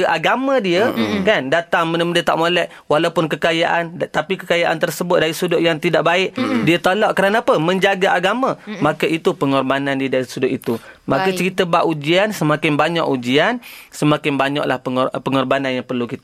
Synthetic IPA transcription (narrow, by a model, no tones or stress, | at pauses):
ʔaɡamãdiəkandat̪aŋmənəməndiət̪a̰ʔmolɛʔ | walaupʊnkəkajaʔant̪apikəkajaʔant̪ərsəbʊt̪̚daɾisudʊt̪̚jaŋt̪idaʔbaɪʔdiət̪olɔʔkəɾanaːpəmə̃ɲd͡ʒaɡaaɡamãmakəʔit̪upəŋɔrbanandiədaɾisudʊt̪it̪umakat͡ʃəɾit̪əbaʔud͡ʒiansəmãkɪnbaɲa̰ʔud͡ʒiansəmakɪmbaɲɔ̰ʔlahpəɔpəŋɔrbananjaŋpərlukit̪